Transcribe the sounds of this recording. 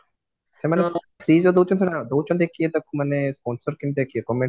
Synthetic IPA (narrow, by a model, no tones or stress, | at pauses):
semane | fɾiːzod̪owt͡ʃɔns̬enad̪owt͡ʃɔnd̪ekʰiet̪akumanespɔnsɔɾkint̪ekʰiekɔme